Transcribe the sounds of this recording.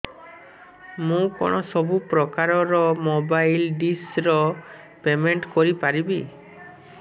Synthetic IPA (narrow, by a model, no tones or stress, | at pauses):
mũkɔ̰ɽ̃ɔsɔbupɾɔkaɾɔɾɔmobajlɖisɾɔ | pemeɳʈkɔɾipaɾibi